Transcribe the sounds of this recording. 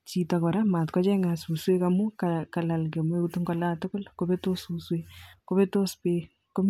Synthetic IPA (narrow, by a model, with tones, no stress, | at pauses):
t͡ʃi˨tɔ˨kɔ˨ɾa˦ma˨tkɔ˦t͡ʃɛ˦ŋa˨su˨swe˦kamu˦kaka˨la˨lke˨me˦utu˦ŋɡɔla˦tʊ˦kʊ˦lko˦bɛto˦su˨swekobɛ˦to˦spe | ko˦m